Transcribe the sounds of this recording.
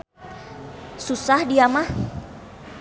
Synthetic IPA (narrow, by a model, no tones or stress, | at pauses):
susahdiamah